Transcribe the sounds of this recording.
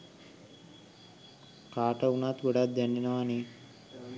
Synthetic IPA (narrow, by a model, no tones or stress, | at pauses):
kaːʈəunat̪ɡoɽat̪̚d̪ɛnːenəʋani